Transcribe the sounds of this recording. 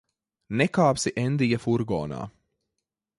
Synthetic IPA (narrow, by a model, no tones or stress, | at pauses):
nɛkaːpsiʔɛnd̪ijafuɾɡɔ̰ːna̰ː